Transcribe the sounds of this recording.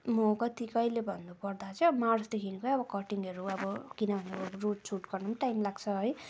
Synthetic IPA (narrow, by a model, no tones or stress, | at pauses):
mʌkʌt̪ikʌjlebʱʌnːupʌrd̪at͡sʰʌmarsd̪ekʰinikoʌbʌkʌʈiŋɡʌɾuʌbʌkinʌbʱʌneʌbʌruʈ̚t͡sʰuʈɡʌrnumʈajmlaɡt͡sʰʌɦʌj